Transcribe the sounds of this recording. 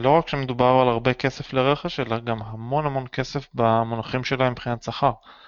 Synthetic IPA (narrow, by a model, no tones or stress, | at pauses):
lo̞ʁakʃeme̞d̪ubaʁalaʁbe̞ke̞sefleʁe̞χeʃelaɡamɦamo̞nhamo̞nke̞sefbamonaχimʃe̞laembχinat̪saχaʁ